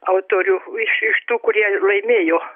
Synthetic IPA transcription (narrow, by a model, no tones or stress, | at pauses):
ɑut̪orʲuisyst̪ukuriɑleimejo